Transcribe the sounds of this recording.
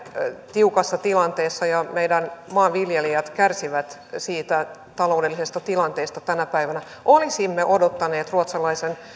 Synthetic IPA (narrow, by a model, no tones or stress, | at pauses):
t̪iukɑsːɑt̪ilɑnt̪eːsːɑjɑmeidænmɑːʋiljeliɑt̪kærsiʋæt̪siːt̪æ | t̪ɑlo̞ːdelːisest̪ɑt̪ilɑnt̪eːst̪ɑt̪ænæpæiʋænæ | ʔolisimːeʔodot̪ːɑneːt̪ruot̪sɑlɑisen